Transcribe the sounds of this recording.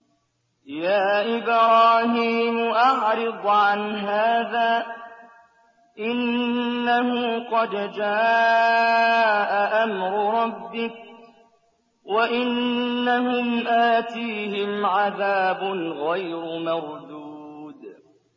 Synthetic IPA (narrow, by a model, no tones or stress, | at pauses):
jaːʔɪbɾɑːɦiːmʔɑʕɾɨd̪ˤʕanɦaːðaː | ʔɪnːahʊqɑd̪d͡ʒaː | ʔaʔamɾʊɾˤɑbːɪk̚ | waʔɪnːahʊmʔaːt̪iːhɪmʕaðaːbʊnɣajɾʊmɑɾˤd̪uːd̪